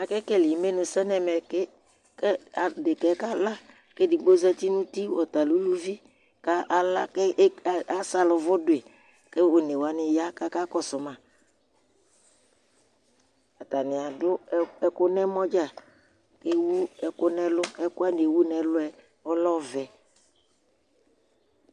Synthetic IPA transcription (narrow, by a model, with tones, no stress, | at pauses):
a˨kɛ˦kɛ˦li˨me˦nʊ̃˨sɛ˦nɛ˨mɛ˨ke˦ | ka˨dɪ˨kɛ˨˦ka˦la˦ | ke˦di˨ɡ͡bo˦zɛ˦t̪i˦nũ˦t̪i˦wɔ˨t̪a˨lu˦lu˦vi˦ | ka˦ʔa˦la˦ke˦˨a˨sa˨lʊ˨vʊ˦dʊ˨e˨ | ke˦o˨ne˨wa˨nɪ˨ja˦ka˦ka˦kɔ˦sʊ˨mã˨ | a˨t̪a˨nɪ̃˨a˨dʊ˦ɛ˦kʊ˦nɛ̃˦mɔ˦d͡ʒa˦˨ | ke˦wu˦ɛ˨kʊ˦nɛ̃˦lʊ˦ɛ˦kʊ˦a˦n˨e˨wu˦nɛ̃˨lʊ˦ɛ˨ | ɔ˦lɔ˦vɛ˨